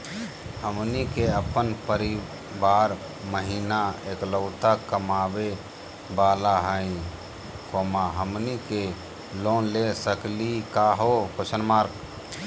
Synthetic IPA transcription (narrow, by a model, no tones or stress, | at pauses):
həmnikeəpənpəɾi | baːɾ | məɦiːnaeːkləʊt̪akəmaːbe | baːlaɦəĩ | koːmaɦəmnike | loːnlesəklikaɦokot͡ʃənmaːɾk